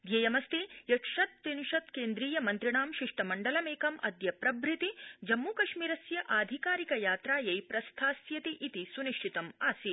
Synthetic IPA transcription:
ɡ̪jejɐmɐst̪ijɐʈʂɐt̪̚ːinʃɐt̪keːnd̪ɾiːjɐmɐnt̪ɾiɳaːmʃiʂʈɐmɐɳɖɐlɐmeːkɐmɐ̰d̪jɐpɾɐbʱɾit̪id͡ʒɐmːuːkɐʃmiːɾɐsjɐʔaːd̪ʱikaːɾikɐjaːt̪ɾaːjɐjpɾɐst̪ʰaːsjɐt̪iʔit̪isuniʂʈʰit̪ɐmaːsi

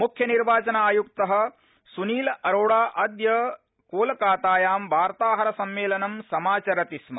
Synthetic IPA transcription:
mukʰjɐniɾʋaːt͡ʃɐnɐaːjuk̚t̪ɐɦɐ̆ | suniːlɐʔɐɾoːɽaːʔɐd̪jɐ | koːlɐkaːt̪aːjaːmʋaːɾt̪aːɦɐɾɐsɐmːeːlɐnɐmsɐmaːt͡ʃɐɾɐt̪ismɐ̰

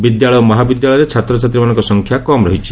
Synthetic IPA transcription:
bid̪jaɭɔjomɔɦabid̪jaɭɔjɾet͡ʃʰat̪ɾɔt͡ʃat̪ɾimanɔŋkɔsɔŋkʰjakɔmɾɔɦit͡ʃʰi̥

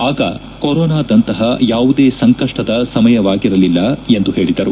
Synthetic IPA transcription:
aːɡɐ̰ | koɾɔːnaːd̪ɐnt̪ɐɦɐjaːʋud̪e̞ːsɐŋkɐʂʈɐd̪ɐsɐmɐjɐʋaːɡiɾɐlilːɐe̞nd̪uɦe̞ːɭid̪ɐɾu

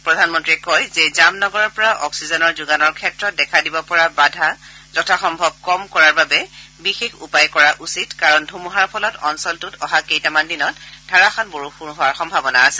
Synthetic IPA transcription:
pɹɔdʱanmɔntɹiɛkɔjzɛzamnɔɡɔɹɔɹpɔɹaʔɔksizɔnɔɹzuɡanɔɹkʰɛtɹɔt̚dɛkʰadibɔpɔɹabadʱa | zɔtʰaxɔmbʱɔb̚kɔmkɔɹaɹbabɛbixexupajkɔɹaʔusitkaɹɔndʱumuɦaɹpʰɔlɔtɔnsɔltʊtɔɦakejtamandinɔtdʰʱaɹaxanboɹupʰuɹɦʊwaɹxɔmbʱabɔnaːsil

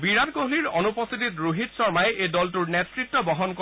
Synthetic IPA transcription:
biɹatkoɦliɹɔnupɔst̪ititɹuɦitsɔɹmajeʔejdɔltuɹnetɹik̚tːɔbɔɦɔnkɔ

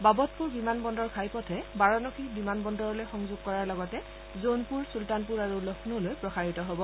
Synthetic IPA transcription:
babɔtpuɹbimanbɔndɔɹkʰajpɔtʰɛbaɹɔnɔxʰibimanbɔndɔɹɔlojxɔŋzʊɡ̚kɔɹaɹlɔɡɔtɛ | zonpuɹsultanpuɹaɹulɔxʰnulojpɹɔxaɹitɔɦobɔ

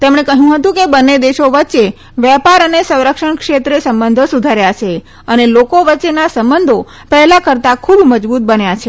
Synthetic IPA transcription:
t̪emɳ̃ekəɦjũɦət̪ũkebənːed̪eʃoʋətːʃe | ʋjɛpaɾənesə̃w̃ɾəkʃəɳkʃet̪ɾesəmbənd̪ʱosud̪ʱaɾjat͡ʃʰe | ənelokoʋətːʃenasəmbənd̪ʱo | pɛɦlakəɾt̪akʰubməd͡ʒbut̪̚bənjat͡ʃʰe

